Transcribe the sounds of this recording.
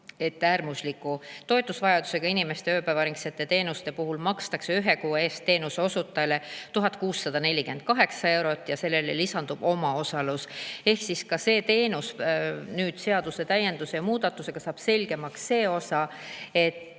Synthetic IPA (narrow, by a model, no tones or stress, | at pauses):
e̞t̪ːæːrmuslikːˑut̪o̞et̪ːˑusvɑjɑd̪use̞ɡ̥ɑinime̞st̪eøːpævɑɾiŋkse̞t̪ːˑe̞t̪e̞ːnust̪e̞puɦulmɑkst̪ɑkse̞yɦe̞kuːeːst̪t̪ːe̞ːnuseo̞sut̪ːˑɑjlet̪uɦɑt̪̚ˑkuːsːɑd̪̥ɑne̞lʲːikyend̪̥̚kɑɦe̞ksɑe̞wɾo̞t̪ːˑjɑse̞lːe̞lelisɑnd̪ub̥o̞mɑo̞sɑluse̞hksiskɑse̞ːt̪e̞ːnusnyːd̪̥se̞ɑd̪̥use̞t̪æje̞nd̪use̞jɑmuːd̪̥ɑt̪ːˑuse̞ɡ̥ɑsɑːb̥se̞lʲɡ̥e̞mɑksːe̞ːo̞sɑ | e̞t̪ː